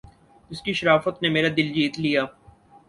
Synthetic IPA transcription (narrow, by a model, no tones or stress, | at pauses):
d͡ʒɪskiʃɐɾaːfət̪nemeːɾad̪ɪld͡ʒiːt̪lijaː